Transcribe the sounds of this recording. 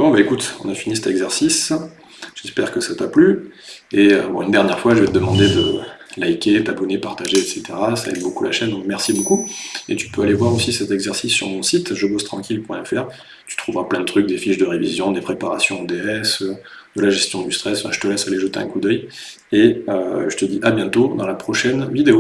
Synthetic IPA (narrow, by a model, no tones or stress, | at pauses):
bɔ̃baekut̪ɔ̰̃nafinisɛt̪ɛɡzɛʁsis | ʒ̥ɛspɛʁkəsat̪aply | eøbɔ̃ynd̪ɛʁnjɛʁfwaʒəvɛt̪əd̪əmɑ̃d̪ed̪ə | lajkʲet̪abɔnepaʁt̪aʒeɛt̪set̪eʁasaɛ̰mbokula̰ʃɛnd̪ɔ̃kmɛʁsibokuḛt̪y̥pøalevwaʁosisɛt̪ɛɡzɛʁsisːy̰ʁmɔ̃sit̪ʒəbost̪χɑ̃kʲilpwɛ̃ɛfɛʁ | t̪y̥t̪χuvʁaplɛ̃d̪ət̪χyk̚d̪efiʃd̪əʁevizjɔ̃d̪epχepaʁasjɔ̃od̪eɛsd̪̥əlaʒɛst̪jɔ̃d̪yst̪χɛsfɛ̃ʒət̪əlɛsaleʒət̪eʔɛ̰̃kud̪œj | eøʒət̪əd̪iʔabjɛ̃t̪od̪ɑ̃lapχɔʃɛnvid̪eo